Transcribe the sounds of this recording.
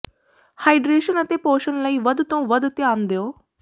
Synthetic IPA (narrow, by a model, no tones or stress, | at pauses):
haːiɖɾeːʃənət̪eːpoːʃənləiːʋəd̪t̪õːʋəd̪t̪eaːnd̪eoː